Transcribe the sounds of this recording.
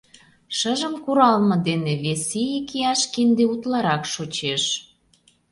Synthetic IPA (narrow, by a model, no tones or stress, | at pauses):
ʃəʒə̆mkuɾɑlmɤ̆d̪eneβesijikiɑʃkind̪eut̪lɑɾɑkʃot͡ɕeʃ